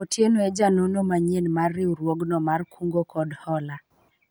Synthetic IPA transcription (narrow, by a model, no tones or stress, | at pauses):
otjenoɛd͡ʒanonomaɲenmarːɪuɾwoɡnɔmarkʰuŋɡokɔdhɔla